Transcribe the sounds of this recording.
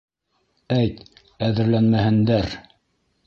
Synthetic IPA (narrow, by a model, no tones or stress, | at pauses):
æjt̪ | æðɘ̆ɾlænmæhɘ̆nd̪æɾ